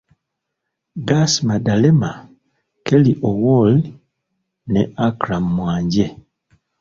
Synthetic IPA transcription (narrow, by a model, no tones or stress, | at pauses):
ɡasmadalema | keliʔowol | nḛʔakɾamːwaːɲɟe